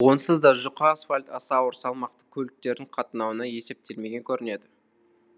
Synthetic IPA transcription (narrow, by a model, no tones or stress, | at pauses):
wo̞nsəzd̪ɑʒʊqɑsfalʲt̪ɑ̰sɑwʊɾsɑlˠmɑqt̪əkʲʰɵlɪk̚t̪e̞ɾd̪ɪɴqʰɑt̪ənɑwənɑje̞se̞p̚t̪e̞lme̞ɡʲe̞ŋkʲʰɵɾɪne̞d̪ɪ